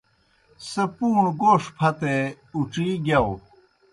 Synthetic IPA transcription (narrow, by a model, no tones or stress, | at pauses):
sepuːɳɡoːʂpʰɐt̪e | uʈ͡ʂiɡjɐw